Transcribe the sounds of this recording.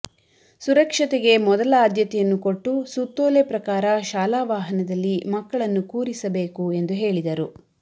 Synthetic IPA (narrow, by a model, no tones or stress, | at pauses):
suɾɐkʂɐt̪ɛɡe̞mɔd̪ɐlɐaːd̪jɐt̪ɛjɐnːukoʈːusut̪ːoːlepɾɐkaːɾɐʃaːlaːʋaːɦɐnɐd̪ɐlːimɐkːɐɭɐnːukuːɾisɐbe̞ːkue̞nd̪uɦe̞ːɭid̪ɐɾu